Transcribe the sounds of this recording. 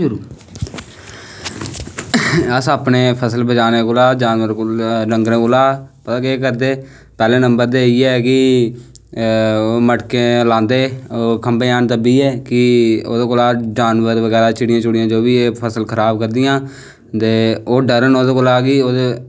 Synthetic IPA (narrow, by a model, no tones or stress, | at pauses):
ɾuː | əsaːpneːpʰəsəlbəd͡ʒaːneːkoːlaːd͡ʒaːnʋəɾɾəŋɡɾẽːkolaːpət̪ãːkeːkəɾd̪eː | pɛːlẽːnəmbəɾd̪eːiːɛːkɪ | məʈkẽːlãːnd̪eːkəmbeːaːnt̪əbiːɛːkɪo̰ːd̪eːkoːlaːd͡ʒaːnʋəɾʋəɡɛːɾaːt͡ʃɪɽɪjãːt͡ʃʊɽɪjãːd͡ʒoːbiːepʰəsəlkʰəɾaːb̚kəɾd̪ɪjãː | t̪eːoːɖəɾənoːd̪eːkoːlaːkiːoːd̪e